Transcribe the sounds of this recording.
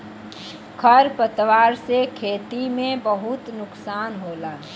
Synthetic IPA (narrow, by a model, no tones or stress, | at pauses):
kʰəɾpət̪ʋaːɾsekʰeːt̪imẽbəɦʊt̪nʊksaːnɦoːlaː